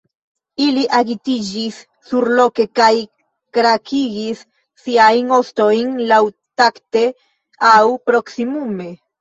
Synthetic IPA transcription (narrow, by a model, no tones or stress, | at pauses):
iliʔaɡitid͡ʒisː | uɾlo̞ke̞kaj | kɾakʰiɡisː | iajno̞sto̞jnlaw | takte̞ | awpɾo̞ksimume̞